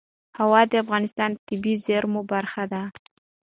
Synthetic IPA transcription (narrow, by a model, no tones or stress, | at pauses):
hawɑd̪əafɣɑnɪst̪ɑnt̪ɪbizeɾmobaɾxad̪a